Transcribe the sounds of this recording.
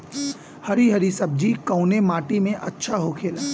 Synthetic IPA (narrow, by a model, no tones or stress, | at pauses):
hɐɾiɦɐɾisɐb̚d͡ʒikɐʊnemaːʈimẽʔɐtːʃʰaɦokʰeːlː